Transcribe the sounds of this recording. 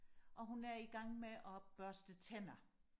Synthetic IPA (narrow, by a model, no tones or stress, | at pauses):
ʔɒ̽ɦunæɐiɡ̥ɑ̈ŋ̰meʔɒ̽b̥ɶɐsd̥ət͡sʰenɐ